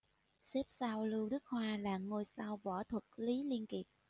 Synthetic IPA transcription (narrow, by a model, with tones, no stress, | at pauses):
se˦˥p̚saː˧wlɨ˧wɗɨ˦˥k̚hwaː˧la̰ː˨˩ŋːo˧jsaː˧wɓɔ˧˩t̪ʰwə˨˩t̚li˨˦li˧ənki˨˩əp̚